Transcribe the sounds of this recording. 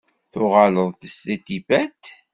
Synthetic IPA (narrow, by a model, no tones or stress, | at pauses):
θʊʁələðˤt̪əst̪æt̪ːibæt̪